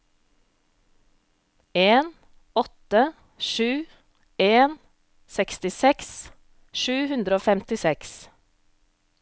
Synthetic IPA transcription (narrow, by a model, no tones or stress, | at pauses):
eːn | ɔt̪ə | ʃʉː | eːn | sɛkst̪ɪsɛks | ʃʉːhʉnd̪ɾəoːfɛmt̪ɪsɛks